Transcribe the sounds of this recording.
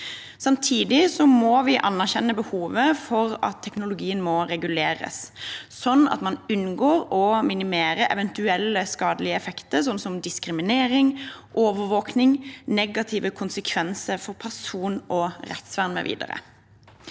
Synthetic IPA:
sɑmt̪ʰiːd̪ɪsɔmɔʋɪʔɑnːæʁçɛnːəbəhuːʋəfɔɾɑ̰t̪ʰːɛknʊlʊɡiːənmɔɾɛɡʉleːɾə̰ssɔnːɑ̰t̪mɑnʉnɡoːɾɔmɪnɪmeːɾəʔɛ̰ʋɛnt̪ʉɛlːəskɑːd̪əlɪəɛfɛkt̪əɾsɔnsɔmd̪ɪskɾɪmɪneːɾɪŋʔoːʋəɾʋoːknɪŋnɛɡɑt̪ʰɪʋəkʰʊnsəkʰʋɛnsəɾfɔɾpʰæʁsuːnʔɔɾɛ̰t̪sʋæʁnmɛ̰ʋḭːd̪ə̰ɾə̰

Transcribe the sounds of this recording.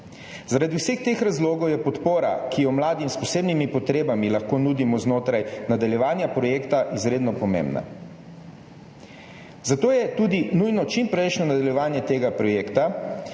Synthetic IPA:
zaɾad̪iwsext̪eːxɾazloːɡɔwjɛpɔt̪poːɾa̰kijɔmlaːd̪imspɔseːbnimipɔt̪ɾeːbamilaxkonuːd̪imɔznoːt̪ɾajnad̪aljɛʋaːnjapɾɔjeːkt̪aʔizɾeːd̪nɔpɔmḛmbna̰ | zat̪oːjɛt̪uːd̪inujnɔt͡ʃimpɾɛjʃnɔnad̪aljɛʋaːnjɛt̪eːɡapɾɔjeːkt̪a

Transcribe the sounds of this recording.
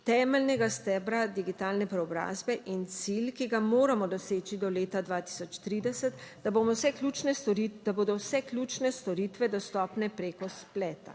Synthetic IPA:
t̪ɛːmɛlnɛɡast̪ɛːbɾad̪iɡit̪aːlnɛpɾɛɔbɾa̰ːzbɛʔint̪silkiɡamoːɾamɔd̪ɔseːt͡ʃid̪ɔleːt̪ad̪ʋaːt̪i̥sɔt͡ʃt̪ɾiːd̪ɛsət̪d̪abomɔwsɛklʲut͡ʃnɛɔɾid̪aboːd̪ɔwsɛklʲuːt͡ʃnɛst̪ɔɾiːt̪ʋɛd̪ɔst̪ɔːpnɛpɾeːkɔsplɛːt̪a̰

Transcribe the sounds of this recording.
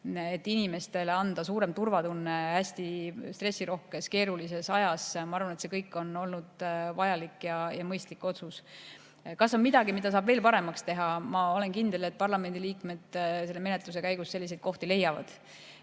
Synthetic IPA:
et̪ːinime̞st̪e̞leɑnd̪̥ɑsuːɾe̞mt̪urvɑt̪unːe̞hæsʲt̪ist̪re̞sʲːiɾo̞hke̞ske̞ːɾulis̬e̞sɑjɑsmɑɑrvɑnet̪se̞kɤjkːˑo̞no̞lnud̪̥vɑjɑlikːjɑjɑmɤjst̪likːˑo̞t̪sus | kɑso̞nmid̪̥ɑɡimid̪̥ɑs̬ɑːbve̞ːlpɑɾe̞mɑkst̪e̞ɦɑmɑo̞le̞nkind̪̥e̞le̞t̪̚pɑrlɑme̞nd̪̥iliːkme̞d̪̥se̞lːe̞me̞ne̞t̪lus̬e̞kæjɡ̥usːe̞lːised̪̥ko̞ht̪ile̞jːɑvɑ̰d̪̥

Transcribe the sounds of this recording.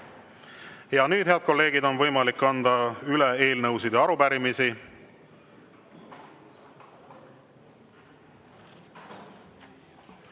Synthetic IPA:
jɑnyːd̪̥he̞ɑd̪̥̚ko̞lːe̞ːɡ̥id̪o̞nvɤjmɑlikːɑnd̪ɑylee̞ːlnɤwsid̪eɑɾubæɾimisi

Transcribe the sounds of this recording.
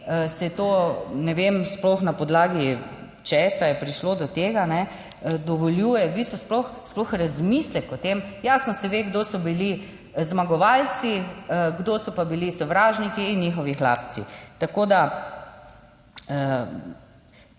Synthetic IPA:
əsɛt̪onɛʋemsplɔxnapɔd̪laːɡi | t͡ʃɛsajɛpɾiʃlod̪ɔt̪eːɡanɛ | d̪ɔʋɔljuːjɛbist̪ɔsplɔxsplɔxɾazmislɛkɔt̪emjasnɔsɛʋeɡd̪osɔbili | zmaɡɔʋaːlt͡ssiəɡd̪osɔpabilisɔʋɾaːʒnikiːnːixɔʋixla̰p̪t͡s̪ḭt̪akoːd̪a | ə

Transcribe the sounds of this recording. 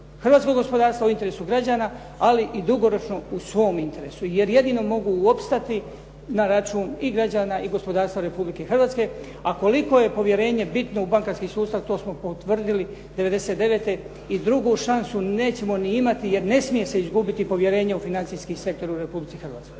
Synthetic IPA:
xr̩ʋaːt̪skoɡo̞spo̞d̪aːɾst̪ʋauint̪e̞ɾeːsuɡɾad͡ʑaːna | aliʔid̪uɡo̞ɾo̞t͡ʃno̞usʋo̞ːmint̪e̞ɾe̞suje̞ɾje̞d̪ino̞mo̞ɡuo̞pst̪at̪i | naɾat͡ʃuːniɡɾad͡ʑaːnaʔiɡo̞spo̞d̪aːɾst̪ʋaɾe̞publike̞xrʋaːt̪ske̞ | ako̞liko̞je̞po̞ʋje̞ɾe̞ːɲe̞bit̪no̞ubaŋkaɾskiːsuːst̪aʋt̪oːsmo̞pot̪ʋr̩d̪ili | d̪eʋe̞d̪e̞set̪d̪e̞ʋe̞t̪e̞ | id̪ɾuɡuʃansune̞ːt͡ɕe̞mo̞niimat̪ije̞ɾne̞smije̞se̞izɡubit̪ipo̞ʋje̞ɾe̞ːɲeufinant̪sijskisek̚t̪o̞ɾuɾe̞publit̪sixr̩ʋaːt̪sko̞jj

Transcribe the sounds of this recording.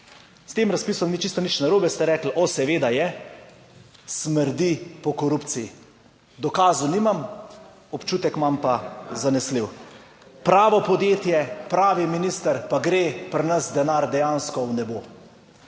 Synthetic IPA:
st̪eːmɾaspiːsɔmnit͡ʃist̪ɔnit͡ʃnaɾoːbɛst̪ɛɾɛːklʔɔsɛʋeːd̪ajɛ | sməɾd̪ipɔkɔɾupt̪siji | d̪ɔkaːzuniːmam | ɔpt͡ʃuːt̪ɛkmampazanɛsliw | pɾaːʋɔpɔd̪jeːt̪jɛpɾaːʋiminiːst̪əɾpaɡɾeːpɾnəsd̪ɛnaːɾd̪ɛjaːnskɔwnɛboː

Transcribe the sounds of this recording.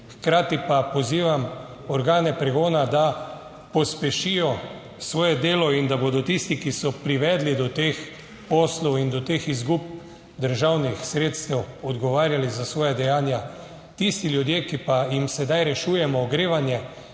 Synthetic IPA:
xkɾaːt̪ipapɔziːʋam | ɔɾɡaːnɛpɾɛɡoːnad̪a | pɔspɛʃijɔ | sʋɔːjɛd̪eːlɔind̪aboːd̪ɔt̪ist̪ikisɔpɾiʋɛːd̪lid̪ɔt̪ex | pɔːslɔwind̪ɔt̪eːxizɡup̚ | d̪əɾʒawnixsɾeːt̪st̪ɛwɔd̪ɡɔʋaːɾjalizasʋɔːjad̪ɛjaːnja | t̪ist̪ilʲjud̪jeːkipajimsɛd̪ajɾɛʃuːjɛmɔɡɾeːʋanjɛ

